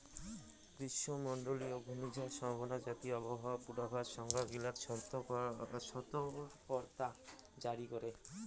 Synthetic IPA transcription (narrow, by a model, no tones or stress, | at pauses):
kɾiʃːomɔɳɖoliobʱumid͡ʑaʃɔmbʱbonad͡ʒat̪iɔbɔɦaapuɾabʱaʃɔŋɡaɡilaɾʃɔt̪ | ʃɔt̪opɔɾt̪ad͡ʑaɾikoɾe